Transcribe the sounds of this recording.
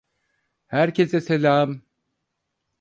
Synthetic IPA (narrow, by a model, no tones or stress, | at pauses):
hæɾcʰeseselʲaːm